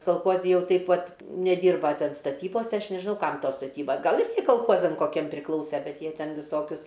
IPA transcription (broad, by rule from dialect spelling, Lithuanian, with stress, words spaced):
kɐlˠˈxuɔzʲɪ ˈjɛʊ ˈtʲɛɪp ˈʋɐt nʲɛˈdʲiːrbɐ ˈtʲɛn stɐˈtʲiːboːsʲɛ ˈɐʃ nʲɛʒʲɪˈnɐʊ ˈkɐm ˈtoːs stɐˈtʲiːbɐs ˈɡɐlˠ ɪr koːlˠˈxoːzɐm koːˈkʲiɛm pʲrʲɪˈklˠɐʊsʲɛ ˈbʲɛt ˈjiɛ ˈtʲɛn ʋʲɪˈsoːkʲʊs